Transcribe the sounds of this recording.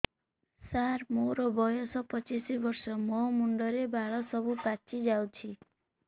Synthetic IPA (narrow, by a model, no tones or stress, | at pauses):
saɾmoɾɔbʱɔjɔsɔpɔt͡ʃisibɔɾsɔmɔmuɳɖɔɾebʱaɭɔsɔbupat͡ʃid͡ʒawt͡ʃʰi